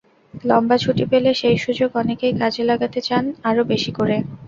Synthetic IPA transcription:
lɔmbat͡ɕʰuʈipeleʃejʃud͡ʑoɡɔnekejkad͡ʑʱelaɡat̪et͡ɕanaɾobeʃikoɾe

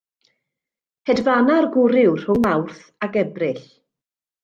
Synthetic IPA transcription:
hɛdvanarɡʊɾɪwr̥hʊŋmawrθ | aɡɛbrɪɬ

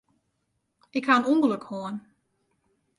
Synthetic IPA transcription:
ɪkhaənumbəløkhoən

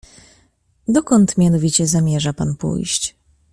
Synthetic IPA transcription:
d̪ɔkɔnt̪mʲjanɔvʲit͡ɕɛzamʲjɛʐapanpṵjɕt͡ɕ

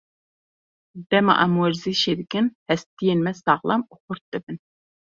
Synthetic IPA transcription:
d̪̥ɛmɑ̰ʔamuwɛɾziʃed̪ɪkʲinhɛst̪ijenmɛsɑʁlˠɑ̰muqʊɾt̪̚d̪ɨbɪn

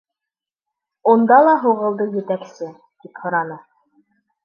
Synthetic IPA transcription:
und̪ɑlˠɑɦuʁɤ̆lˠd̪ɤjɘ̆t̪æksɘ | t̪iphŏɾɑnɤ

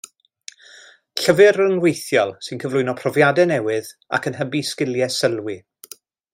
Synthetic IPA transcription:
ɬəvɨɾənwejθjɔlˠsɪnkʰəvlʊɨnɔpʰrɔvjadɛnɛwɨða̰kʰənɦəbiskɪlˠjɛsəlˠwi

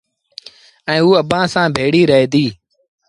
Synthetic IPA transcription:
ɛ̃ːuːəbãːsãːbʱeːɽiːɾəɦeːd̪iː

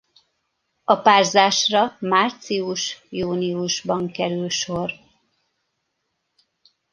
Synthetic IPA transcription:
ɒpaːrzaːʃrɒmaːrt̪siuʃjuːniuʒbɒŋkɛɾylʃo̞r

